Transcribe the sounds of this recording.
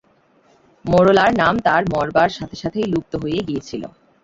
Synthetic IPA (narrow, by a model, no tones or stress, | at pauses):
moɾolaɾnamt̪aɾmɔɾbaɾʃat̪ʰeʃat̪ʰejluk̚t̪oɦojeɡijet͡ɕʰilo̰